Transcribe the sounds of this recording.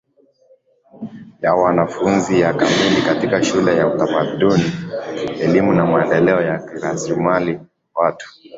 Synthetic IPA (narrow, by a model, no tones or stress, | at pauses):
jawanafunzijakamilikatikaʃulɛjautamaɗuniɛlimunamaɛndɛlɛɔjakiɾasmali | watu̥